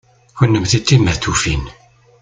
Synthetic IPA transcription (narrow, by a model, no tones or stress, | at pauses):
çənːəmθit̪ːimːəθufin